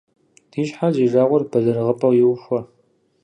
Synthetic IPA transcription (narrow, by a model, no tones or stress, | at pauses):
d̥iːɕħaziːʒaːʁʷɔrb̥ɐɮɨrʁəpʼɐwjɪwxʷɐ